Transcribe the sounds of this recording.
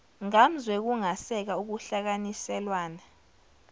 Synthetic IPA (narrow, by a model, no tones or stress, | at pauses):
ŋam̩zwɛk̬uŋasɛk̬auk̬uɬak̬anisɛlwaːna